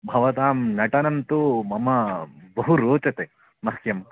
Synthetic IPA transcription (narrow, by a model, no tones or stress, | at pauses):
bʱɐʋɐt̪aːmnɐʈɐnɐnt̪umɐmɐbɐɦuɾoːt͡ʃɐt̪e | mɐsjɐm